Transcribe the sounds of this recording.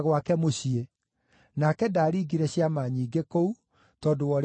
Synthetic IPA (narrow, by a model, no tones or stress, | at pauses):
ɣwakɛmoɕie | nakɛdaːɾiːɡiɾɛɕiamaɲiːɡekou | tɔːdowɔɾ